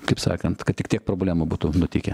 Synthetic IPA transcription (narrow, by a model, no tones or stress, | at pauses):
kɐɪpsɑ̰ːkɐnt̪kɐt̪tʲɪkt̪ʲiɛk̚pɾoːbʲlʲæːmʊbuːt̪unʊt̪ʲɪkʲɛ